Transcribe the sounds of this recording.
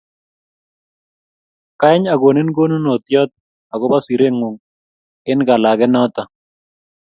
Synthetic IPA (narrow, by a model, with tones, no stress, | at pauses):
ka˦ɪ˦ɲa˨ɡo˨nɪ˦nɡo˦nu˦no˨t̪jɔ˦t̪̚ | a˨ɡɔ˦ba˦si˨ɾe˦ŋu˨ŋ | ɪ˦nɡa˨la˨ɡɛ˦nɔ˦t̪a˨